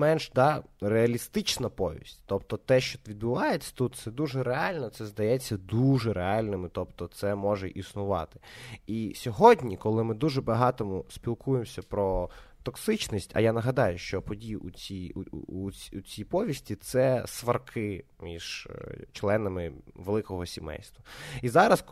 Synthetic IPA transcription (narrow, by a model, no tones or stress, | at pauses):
mɛnʒd̪ɑreɐlʲist̪ɪt͡ʃnɐpɔʋʲḭsʲtʲt̪ɔpt̪ɔt̪ɛʃt͡ʃɔʋʲid̪bʊʋɑjet͡sʲːɐ̥t̪ut̪̚t̪sɛd̪uʒɛɾeɑlʲnɔt̪sɛzd̪ɐjɛt͡sʲːɐd̪uʒɛɾeɑlʲnɪmɪt̪ɔpt̪ɔt̪sɛmɔʒɛʔisnʊʋɑ̰t̪ɪ̥isʲɔɦɔdʲnʲikɔlˠɪmɪd̪uʒɛbɐɦɑt̪ɔmʊsʲpʲilˠkujemsʲɐpɾɔt̪ɔksɪt͡ʃnʲisʲtʲɐ̰janɐɦɐd̪ɑjʊʃt͡ʃɔpɔdʲijut͡sʲij̰uut͡sʲijpɔʋʲisʲtʲit̪sɛsʋɐrkʰɪmʲḭʒ̥t͡ʃlˠɛnɐmɪʋelˠɪkɔɦɔsʲimɛ̰jst̪ʋɐizɑɾɐs